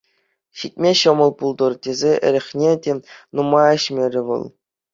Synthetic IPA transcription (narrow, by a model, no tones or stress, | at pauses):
ɕit̚ʲmʲeɕɤ̆mɤ̆lˠpulˠd̪ɤ̆rtʲezʲeʔɘ̰̆ɾʲɘ̆χʲnʲetʲenumɑɘ̆ɕmʲeɾʲɘ̆ʋɤ̰lˠ